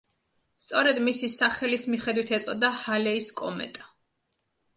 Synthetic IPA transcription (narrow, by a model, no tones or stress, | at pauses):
st̪sʼɔɾɛd̪misisaχɛlismiχɛd̪wit̪ʰɛt̪sʼɔd̪ahalɛiskʼɔmɛ̰t̪ʼa